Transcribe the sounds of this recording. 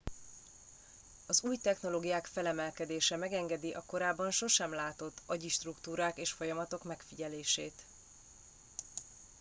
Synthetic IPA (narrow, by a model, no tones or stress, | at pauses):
ɒzuːjt̪ɛxno̞loːɡijaːkfɛlɛmɛlkɛd̪eːʃɛmɛɡɛŋɡɛd̪iʔɒko̞ɾaːbːɒnʃo̞ʃɛmlaːt̪o̞t̪ːɒɟiʃt̪rukt̪uːɾaːkeːʃfo̞jɒmɒt̪o̞kmɛkfiɟɛleːʃeːt̪